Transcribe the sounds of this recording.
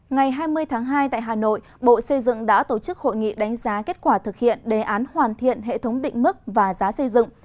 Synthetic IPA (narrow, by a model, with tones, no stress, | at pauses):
ŋa˨˩jɦaː˧jmɨ˧əjt̪ʰaː˨˦ŋɦaː˧jt̪a̰ː˧˨jɦaː˨˩no̰˧˨j | ɓo̰˧˨sə˧jzɨ̰˧˨ŋɗa̰ː˧˥t̪o˧˩t͡ɕɨ˦˥k̚ho̰˧˨jŋḭ˧˨ɗa˨˦jŋ̟zaː˨˦ke˦˥t̚kwaː˧˩t̪ʰɨ˨˩k̚hḭ˧˨ənɗe˨˩ʔaː˨˦nhwaː˨˩nt̪ʰḭ˧˨ənɦḛ˧˨t̪ʰə˨˦wŋ͡mɗḭ̈˧˨ŋ̟mɨ˦˥k̚vaː˨˩zaː˨˦sə˧jzɨ̰˧˨ŋ